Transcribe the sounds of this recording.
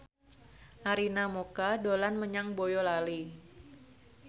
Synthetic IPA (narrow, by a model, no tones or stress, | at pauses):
ʔaɾinamokadolanməɲaŋbojɔlali